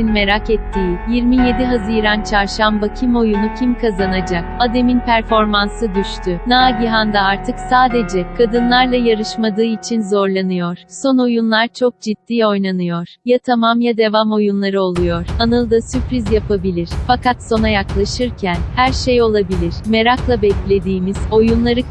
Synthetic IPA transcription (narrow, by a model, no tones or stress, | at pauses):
inme̞ɾakɛt̪ʰːiːjiɾmije̞d̪iɦazɯɾant͡ʃʰaɾʃambacʰimo̞junucʰimkʰazanad͡ʒakad̪e̞minpʰæɾfo̞ɾmansɯd̪yʃt̪ʰynaɟiɦand̪aaɾt̪ʰɯksaːd̪e̞d͡ʒɛkʰad̪ɯnlˠaɾlˠajaɾɯʃmad̪ɯːit͡ʃʰinzo̞ɾlˠanɯjoɾ̥so̞no̞junlˠaɾt͡ʃʰok̚d͡ʒit̪ːiːo̞jnanɯjo̞ɾ̥jat̪ʰamamjad̪e̞vamo̞junlˠaɾɯo̞lˠujo̞ɾ̥anɯlˠd̪asypɾizjapʰabilʲiɾ̥fakʰat̪so̞najaklˠaʃɯɾcʰænhæɾʃejo̞lˠabilʲiɾ̥me̞ɾaklˠabɛclʲe̞d̪iːmiz̥o̞junlˠaɾɯ